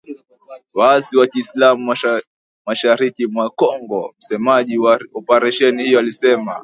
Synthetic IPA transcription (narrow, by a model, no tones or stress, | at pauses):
waasiwakiːslamu | maʃaɾikimwakɔŋɡɔm̩sɛmaʄiwaɔpaɾaʃɛnihijɔalisɛma̰